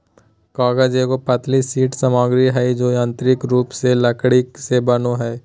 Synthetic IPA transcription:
kaːɡəd͡ʒekopɐt̪lisiːʈsɐmaːɡɾiɦɛd͡ʒoːjãːnt̪ɾɪkɾuːpselɐkɽɪksebɐnoɦɛː

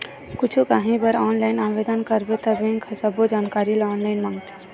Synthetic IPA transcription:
kʊt͡ʃʰukaɦĩbəɾɔːnlaːɪnaːʋed̪ənkəɾbet̪ɐbẽŋkʰəsəbod͡ʒaːnkaːɾilɔːnlaɪnmãːŋɡt̪e

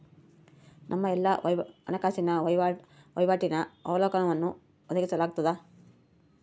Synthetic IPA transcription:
nʔɐmːɐɛlːajɐnɐkaːsinɐj | ʋɐ̰jʋaːʈinɐɐʋɐlɔːkɐɳɐʋɐnːu | ɔd̪ɐɡisɐlaːɡut̪ːɐd̪a

